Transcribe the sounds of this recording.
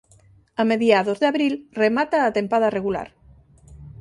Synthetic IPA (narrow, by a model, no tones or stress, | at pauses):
ameðijaðozðaβɾilremat̪aːt̪empað̞areɣula̰ɾ